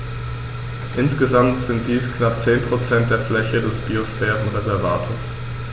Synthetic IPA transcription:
ʔɪnsɡ̥əzamtz̥ɪnt̚d̥iːsknap̚t͡seːnpʁ̥ot͡sɛnt̚d̥eːɐflɛçədɛsb̥iosfɛːʁən̩ʁezɛɐva̰ːtʰoːs

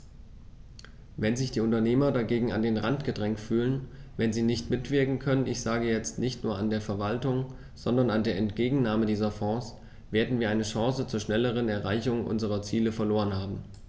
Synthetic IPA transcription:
vɛnzɪçd̥iːʊntɐneːmɐdaɡeːɡŋ̩a̰ndeːnʁantɡ̥ədʁɛŋktfyːlənvɛnziːnɪçtmɪtv̥ɪɐkŋ̩kʰœnənɪçz̥aːɡəjɛt͡stnɪçtnuːɐandeːɐfɛɐvaltʊŋ | z̥ɔndɐnandeːɐɛntɡ̥eːɡŋ̩naːmədiːzɐfɔ̃ːs | veːɐdn̩viːɐʔaɪnəʃãːsət͡suːɐʃnɛləʁ̞ənɛɐʁaɪçʊŋʔʊ̰nzəʁ̞ɐt͡siːləfɛɐloːʁənhaːbm̩

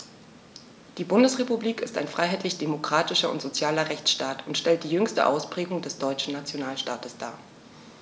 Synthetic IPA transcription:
d̥iːbʊndəsʁ̥epubliːkɪsta̰ɪnfʁ̥aɪɦaɪtʰlɪçd̥emokʁ̥aːtɪʃɐʊ̰ntz̥ot͡sjaːlɐʁɛçt͡sʃtaːtʊntʃtɛlt̚d̥iːjʏŋstə̰ʔa̰ʊspʁ̥ɛːɡʊŋdɛsd̥ɔʏt͡ʃn̩nat͡sjonaːlʃtaːtəsd̥a̰ːɐ

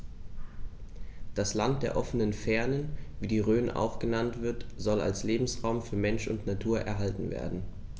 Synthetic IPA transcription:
d̥aslant̚d̥eːɐʔɔfənənfɛɐnənviːdiːʁøːnʔa̰ʊxɡ̥ənantv̥ɪɐtz̥ɔla̰lsleːbm̩sʁaʊmfyːɐmɛnʃʊ̰ntnatʰuːɐʔɛ̰ɐɦaltn̩vḛːɐdn̩

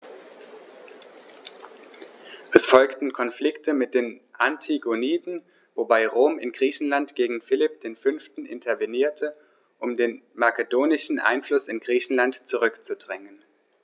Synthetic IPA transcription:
ʔɛsfɔlktn̩kʰɔnflɪktʰəmɪt̚d̥eːnʔantʰiɡoniːtn̩ | vobaɪʁoːmɪ̰nɡʁiːçn̩lantɡ̥eːɡŋ̩fɪlɪp̚d̥eːnfʏnftn̩ʔɪ̰ntʰɐveniːɐtʰə | ʔʊmdeːnmakədoːnɪʃn̩ʔa̰ɪnflʊsɪnɡʁiːçn̩lantt͡suʁʏkt͡sudʁɛŋən

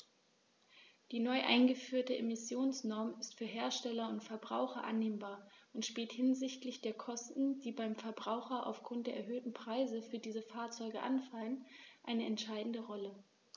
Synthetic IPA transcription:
d̥iːnɔʏʔa̰ɪnɡəfyːɐtəʔemɪsjoːnsnɔɐmɪstfyːɐɦeːɐʃtɛlɐʊntfɛɐbʁa̰ʊxɐʔa̰nːeːmbaːɐʔʊntʃpiːlthɪnzɪçtlɪçd̥eːɐkʰɔstn̩d̥iːbaɪmfɛɐbʁaʊxɐʔa̰ʊfɡ̥ʁʊntd̥eːɐɛɐɦøːtn̩pʁ̥aɪzəfyːɐdiːzəfaːɐt͡sɔʏɡəʔa̰nfalənʔaɪnəɛntʃaɪdn̩dəʁɔlə

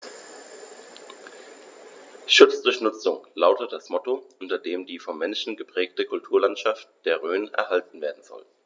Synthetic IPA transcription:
ʃʊt͡sd̥ʊɐçnʊt͡sʊŋlaʊtətd̥asmɔtoʔʊntɐdeːmdiːfɔmːɛnʃn̩ɡəpʁ̥ɛːktəkʰʊltʰuːɐlantʃaft̚d̥eːɐʁøːnʔɛ̰ɐɦaltn̩veːɐdn̩zɔ̰l

